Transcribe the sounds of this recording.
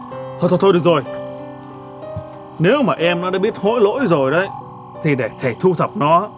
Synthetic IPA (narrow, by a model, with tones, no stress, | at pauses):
t̪ʰo˧jt̪ʰo˧˩t̪ʰo˧jɗɨ˨˩ək̚zo˨˩j | ne˨˦wmaː˨˩ʔɛ˧mnɔ˨˦ɗa̰ː˧˥˦ɓi˦˥ət̚ho̰˧˥jlo̰˧˥jzo˨˩jɗə˨˦j | t̪ʰi˨˩ɗe˧˩t̪ʰe˧˩t̪ʰu˧t̪ʰə˨˩p̚nɔ˨˦˥